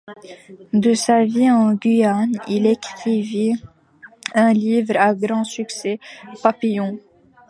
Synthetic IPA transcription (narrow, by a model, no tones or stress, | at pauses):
d̪əsaviɑ̃ɡʲɥianilekχivi | ɛ̃livʁaɡʁɑ̃syksɛpapijɔ̃